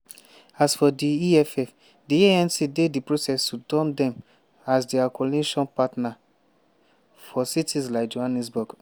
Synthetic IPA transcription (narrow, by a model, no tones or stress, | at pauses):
asfɔdiiɛfɛf | dieɛ̃nsideddipɹosɛstudɔ̃mdɛ̃m | asdiakʰɔliʃɔ̃npatna | fɔsitʰislaɪkd͡ʒohanɛs̬bɔɡ